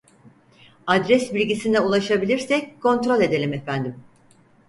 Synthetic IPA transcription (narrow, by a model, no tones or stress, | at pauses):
ad̪ɾɛsbilʲɟisind̪ɛulˠaʃabilʲiɾsɛckʰo̞nt̪ɾo̞lʲe̞d̪e̞lʲimefænd̪im